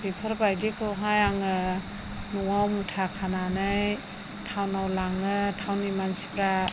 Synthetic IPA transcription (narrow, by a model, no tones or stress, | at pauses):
pipʰɯɾbajdikʰɯwɦajaŋɯ | nuŋawmutʰakʰananɯj | tʰawnawlaŋɯtʰawnimansi̥pɾa